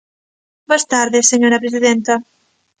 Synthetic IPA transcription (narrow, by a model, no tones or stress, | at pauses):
bost̪aɾðeseɲoɾɐpɾesiðent̪ɐ